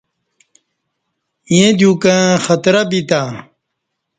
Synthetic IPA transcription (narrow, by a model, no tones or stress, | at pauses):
jẽd̪jũkãxɐt̪ɾɐbit̪a